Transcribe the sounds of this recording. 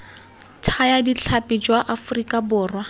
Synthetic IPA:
tʰajadit͡ɬʰapʼid͡ʒwaʔafʊrikʼabʊːrwa

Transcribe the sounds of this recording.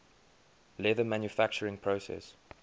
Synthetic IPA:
lɛðəmãnjufæk̚t͡ʃəɹɪ̃ŋpʰɹosɛ̰s

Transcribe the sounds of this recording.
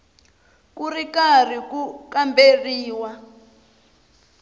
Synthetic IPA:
kurikar̤ikukamberiːwa

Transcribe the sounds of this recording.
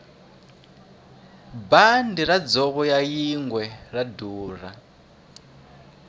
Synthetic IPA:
bandiɾad͡zɔβɔjajiŋɡwɛraduːra

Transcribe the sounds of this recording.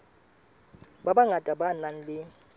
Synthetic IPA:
babaŋatʼabanan̩lɪ

